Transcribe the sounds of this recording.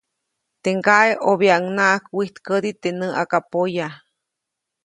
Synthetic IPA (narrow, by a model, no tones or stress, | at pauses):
t̪eŋɡaʔeʔoβjaŋnaʔakwiht̪kəd̪it̪enəʔakapoja